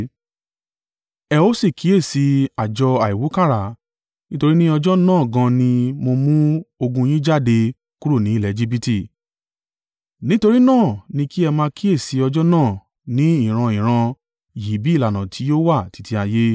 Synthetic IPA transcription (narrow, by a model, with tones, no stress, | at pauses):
ɛ˧o˦si˦˨kʰi˨˦e˦˨si˨˧a˨d͡ʒɔ˧a˨i˨wu˨˦ka˦˨ɾa˨ | nĩ˦to˧ɾi˦nĩ˦ɔ˧d͡ʒɔ˦nãː˦˨ɡã˧nĩ˧mo˧mũ˦o˧ɡũ˧j̃ĩ˦d͡ʒa˦˨de˧ | ku˦ɾu˦˨nĩ˨˦˨lɛ˨˧d͡ʒi˦bi˦ti˦˨ | nĩ˦to˧ɾi˦nãː˦˨nĩ˧ki˦ɛ˧mãː˧ki˦e˦˨si˧˦ɔ˧d͡ʒɔ˦nãː˦˨ | nĩ˨˦i˦˨ɾ̃ã˧ĩ˨ɾ̃ã˧ | ji˨bi˨˦˨la˨nã˨tʰi˨˦jo˦wa˦˨ti̥˨˦ti˧˦a˧je˦